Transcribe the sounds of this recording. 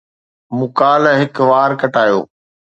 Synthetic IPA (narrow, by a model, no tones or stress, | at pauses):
mʊkaːlɦɪkʋaːɾkɐʈaːjo̰ː